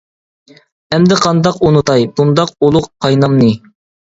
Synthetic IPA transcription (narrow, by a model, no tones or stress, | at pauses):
ɛmd̪ɪqʰɑnd̪ɑqunut̪ɑjbund̪ɑqolˠʊqqʰɑjnɑmnɨ